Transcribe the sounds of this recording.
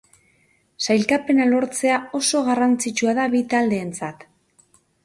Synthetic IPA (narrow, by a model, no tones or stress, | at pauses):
sajlkape̞nalo̞ɾt͡se̞ao̞so̞ɣarant͡sit͡ʃuaðaβit̪ald̪e̞ːnt͡sat̪